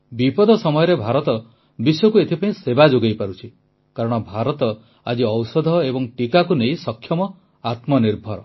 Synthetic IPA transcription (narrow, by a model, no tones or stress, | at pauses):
bipɔd̪ʱɔsɔmɔjɔɾebʱaɾɔt̪ɔ | biswɔkuet̪ʰipaĩsebad͡ʒoɡejpaɾut͡ʃʰi | kaɾɔɽ̃ɔbʱaɾɔt̪ɔ | a̰d͡ʒiɔwsɔd̪ʱɔebɔŋʈikakunejsɔkʰjɔmɔ | at̪mɔniɾbʱɔɾ